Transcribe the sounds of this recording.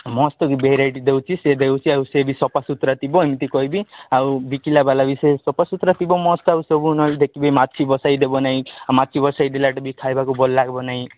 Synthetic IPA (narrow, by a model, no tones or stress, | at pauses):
mɔst̪ɔkibeɦiɾajʈid̪ewt͡ʃʰised̪ewt͡ʃʰiawsebisɔpasut̪ɾat̪ibɔemit̪ikɔjbiawbikilabalabisesɔpasut̪ɾat̪ibɔmɔst̪ɔawsɔbunɔid̪ekʰibejmatːt͡ʃʰibɔsajd̪ebɔnaɦĩmat̪ːt͡ʃʰibɔsaid̪elaʈɔbikʰajbakubɔlːaɡbɔnaɦĩ